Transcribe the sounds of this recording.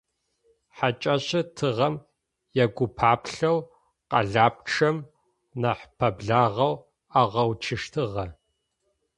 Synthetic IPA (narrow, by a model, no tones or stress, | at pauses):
ħat͡ʃʼɐɕʼɐtʰɨʁɐm | jɛɡʷʊpʰaːpɬɐw | qɐ̰ɮaːp̚ʈ͡ʂʰɐm | nɐħpʰɐbɮaːʁɐw | aːʁɐwt͡ʃʰɨʂtʰɨʁɐ